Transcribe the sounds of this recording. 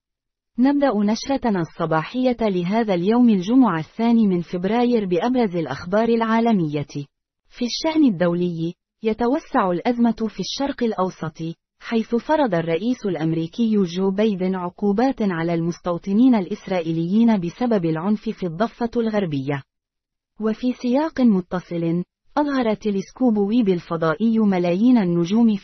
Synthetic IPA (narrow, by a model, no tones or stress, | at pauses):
nab̚d̪aʔnaʃɾɑsˤːɑbɑːħɪjːalɪɦaːðaljawmald͡ʒʊmʊʕaθːaːniːmɪnfɪbɾɑːjɪɾbɪʔabɾˤɑzɪlʔaxbɑːɾˤɪlʕaːlamɪjːa | fiʃːaʔnɪd̪ːawlɪjː | jat̪awasːaʕʊlʔazmat̪fiʃːɑɾˤqɪlʔɑwsˤɑt̪ˤɨ | ħajθʊfɑɾˤɑd̪ˤɑrˤːɑʔiːsʊlʔamɾiːkɪjːʒoːbajd̪ɪnʕʊquːbaːt̪ʕalaːlmʊst̪ɑwt̪ˤɨniːnalʔɪsɾˤɑːʔiːlɪjːiːnabɪsababɪlʕʊnfɪfid̪ˤːɑfːɑlɣaɾˤbɪjːa | wafiːsɪjɑːqnmʊt̪ːɑsˤɨlɪn | ʔɑðˤɦɑɾˤɑt̪ːɪlɪskuːbwiːbɪlfɑd̪ˤɑːʔɪjːmalaːjiːnanːʊd͡ʒuːmɪ